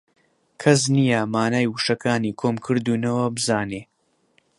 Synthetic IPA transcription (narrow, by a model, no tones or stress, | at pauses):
kʰɐs̬nijamaːnaːjwuʃɐkʰaːniːkʰoːmkʰɨɾd̪uːnɐwɐbɨzaːneː